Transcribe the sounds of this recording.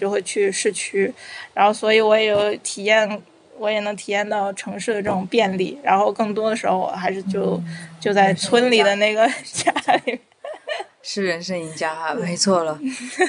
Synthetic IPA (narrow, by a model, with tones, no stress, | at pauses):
jo˥˧ʊxwe˥˧ɪt͡ɕʰy˥˧ʂɻ̩˥˧t͡ɕʰy˥˩ɻa˧˥nxo˥˩ʊswɔ˧˥i˧˥wɔ˧˥jɛ˨˧˥jo˧˥ʊ˥ʊt̪ʰi˨˩jɛ˥˩n | wɔ˧˥jɛ˨˩nɤ˧˥ŋt̪ʰi˨˩jɛ˥˧nt̪ɑ˥˩ʊʈ͡ʂʰɤ˧˥ŋʂɻ̩˥˩d̪ə˩ʈ͡ʂɤ˥˩ʈ͡ʂʊ˨˩ŋpjɛ˥˧nlḭ˥˩ɻa̰˧˥nxo˥˧ʊkɤ˥˩ŋt̪wɔ˥d̪ə˨˩ʂɻ̩˧˥xo˧ʊwɔ̰˨˩xa˧˥ɪʂɻ̩˥˧t͡ɕjo˥˧ʊt͡ɕjo˥˧ʊt͡sa˥˩ɪt͡sʰwə˥nli˨˩d̪ə˦ne˥˩ɡə˩t͡ɕja˥li˨˩mjɛ˥˩˥n | ʂɻ̩˥˩ɻə˧˥nʂə˥˩i˧˩t͡ɕja˥˩me˧˥ɪt͡sʰwɔ˥˩lə˩